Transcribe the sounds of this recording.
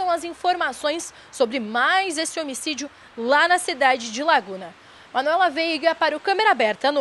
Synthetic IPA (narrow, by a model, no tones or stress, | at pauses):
ɐ̃w̃ɐzĩfoɾmasõj̃sː | obɾɪmajzesɪomisid͡ʒʊ | lanɐsid̪ad͡ʒɪd͡ʒɪlaɡũnɐ | mɐ̃nuɛlɐvejɡɐpaɾʊkɐ̃meɾabɛɾt̪ɐnʊ